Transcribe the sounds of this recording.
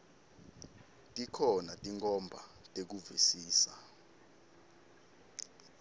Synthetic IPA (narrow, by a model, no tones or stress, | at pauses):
tʼikʰɔnatʼiŋkʰɔmbʱa̰tʼek̬uvisiːsa